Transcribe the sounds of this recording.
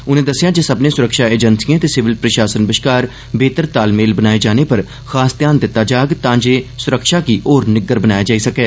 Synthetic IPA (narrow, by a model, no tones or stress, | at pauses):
ʊnẽːd̪əsːɪjaːd͡ʒeːsəbnẽːsʊɾəkʃaːeːd͡ʒənsijãːt̪eːsɪʋɪlpɾəʃaːsənbɪʃkaːɾ | beːt̪əɾt̪aːlmeːlbənaːeːd͡ʒaːnepəɾ | xaːsd̪jaːnd̪ɪt̪ːaːd͡ʒaːɡt̪ãːd͡ʒeːsʊɾəkʃaːkiːʔɔːɾnɪɡːəɾbənaːjad͡ʒaːisəkɛː